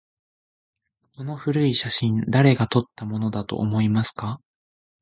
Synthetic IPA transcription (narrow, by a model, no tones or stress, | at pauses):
ko̞no̞ɸɯ̟ɾɯ̟iɕaɕĩnd̪aɾe̞ɡat̪o̞t̪ːamo̞no̞d̪at̪o̞̰ʔːmo̞imasɨ̥ka